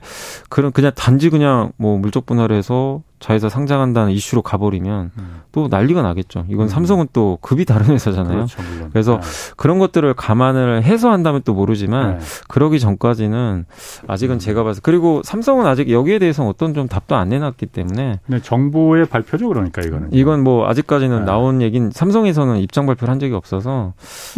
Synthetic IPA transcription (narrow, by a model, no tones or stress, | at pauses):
kɯɾʌnkɯɲaŋtand͡ʑiɡɯɲaŋmwʌmuɭt͡ɕ͈ʌk̚p͈unaɾɦe̞sʰʌt͡ɕaesʰʌsʰaŋd͡ʑaŋɦandanɯniɕ͈ʰuɾokabʌɾimjʌnt͈ona̰ʎːiɡʌnaɡe̞t̚t͡ɕ͈o̰iɡʌnsʰamsʰʌŋɯnt͈okɯbitaɾɯnɦesʰʌd͡ʑanajokɯɾe̞s̬ʰʌkɯɾʌnɡʌt̚t͈ɯɾɯɭkamanɯɭɦe̞s̬ʰʌɦandamjʌnt͈omoɾɯd͡ʑimankɯɾʌɡit͡ɕʌŋk͈ad͡ʑinɯna̰d͡ʑiɡɯnt͡ɕe̞ɡabas̬ʰʌkɯɾiɡosʰamsʰʌŋɯnad͡ʑiɡjʌɡie̞de̞ɦesʰʌnʌt͈ʌnt͡ɕomtap̚t͈oanːe̞nat̚k͈it͈e̞mune̞et͡ɕʌŋboe̞paɭpʰjod͡ʑʌɡɯɾoɲik͈aiɡʌnɯniɡʌnmwʌa̰d͡ʑik̚k͈ad͡ʑinɯnːaonje̞ɡinsʰamsʰʌŋe̞s̬ʰʌnɯnip̚t͡ɕ͈aŋbaɭpʰjoɾɦand͡ʑʌɡiʌp̚s͈ʌs̬ʰʌ